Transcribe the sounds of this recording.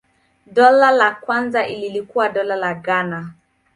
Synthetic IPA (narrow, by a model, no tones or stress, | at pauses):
dɔlalakwanzaʔililikuwadɔlalaɡana